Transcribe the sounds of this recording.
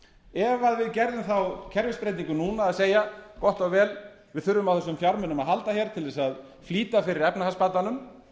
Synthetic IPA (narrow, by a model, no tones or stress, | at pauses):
ɛvaðvɪðcɛɾðʏmθawcʰɛɾvɪspɾejt̪niŋkʏnuːnaːðseːjakɔht̪ɔɣvɛːl | vɪðθʏɾvʏmawθɛs̬ːʏmfjaɾmʏnʏmaðɦalt̪açjɛɾ̥t̪ʰɪlðɛsað | fliːt̪afɪɾɪɾɛpnahaspaːt̪ːanʏm